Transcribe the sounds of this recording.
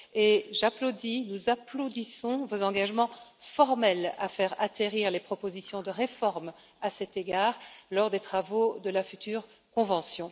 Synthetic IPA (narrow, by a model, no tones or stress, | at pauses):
eʒaplod̪inuzaplod̪isɔ̃vozɑ̃ɡaʒmɑ̃fɔʁmɛla̰fɛʁat̪eʁiʁlepχɔpozisjɔ̃d̪əʁefɔʁm | asɛt̪eɡaːʁlɔʁd̪et̪χavod̪əlafyt̪yːʁ | kɔ̃vɑ̃sjɔ̃